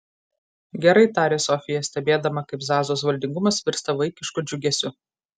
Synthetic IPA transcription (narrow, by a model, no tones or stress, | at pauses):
ɡʲɛɾɐɪt̪ɑːɾʲeːsɔfʲɪjɛsʲt̪ʲɛbʲeːd̪ɐmɐkɐɪpzɑːzoːsʋɐlʲd̪ʲɪŋɡʊmɐsʋʲɪɾst̪ɐʋɐɪkʲɪʃkʊd͡ʒʲʊɡʲɛsʲʊ